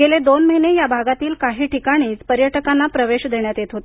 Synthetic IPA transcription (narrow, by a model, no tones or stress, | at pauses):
ɡeled̪onməɦinejabʱaɡat̪iːlkaɦiːʈikaɽ̃iːt͡spəɾjəʈəkanːapɾəʋeɕd̪eɳjat̪jet̪ɦot̪